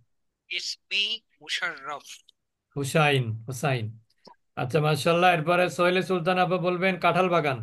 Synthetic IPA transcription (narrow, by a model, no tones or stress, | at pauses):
ispi | muʃaɾːɔf | uʃajnusajn | a̰tːɕʰamaʃaːlːaeɾpɔɾesojlesult̪̬anababolbenkaʈʰalbaɡan